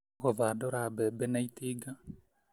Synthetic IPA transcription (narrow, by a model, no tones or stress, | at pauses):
ɣɔvaːɗɔɾabɛbɛnait̪iɡa